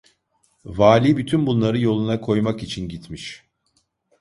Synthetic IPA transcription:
vaːlʲibyt̪ʰynbunlˠaɾɯjo̞lˠunakʰo̞jmakit͡ʃʰinɟit̪ʰmiʃ

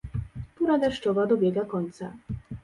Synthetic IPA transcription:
t̪uɾad̪ɛʂt͡ʂɔvad̪ɔbʲjɛɡakɔɲt̪sa

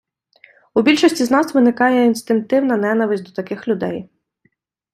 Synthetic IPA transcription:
ubʲilʲʃɔsʲtʲiznɑsʋɪnɪkɑjɛinst̪ɪŋk̚t̪ɪwnɐnɛnɐʋɪsʲd̪ɔt̪ɐkɪxlʲʊd̪ɛj

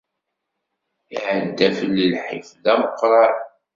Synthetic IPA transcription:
iʕəd̪ːæfəlːəlħifðæməqːɾˤɑ

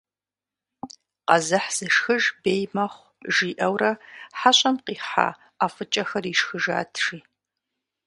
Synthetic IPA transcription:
qɐzɨħz̥ɨʂxɨʒbeːjmɐχʷ | ʒiːʔɐwrɐħaɕʼɐmqiːħa̰ | aːfɨt͡ʃʼɐxɐriːʂxɨʒa̰ːtʰʂiː

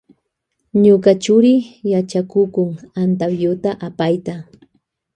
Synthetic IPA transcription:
ɲʊkat͡ʃʊɾɪjat͡ʃakʊkʊŋant̪abjʊt̪aʔapajt̪a

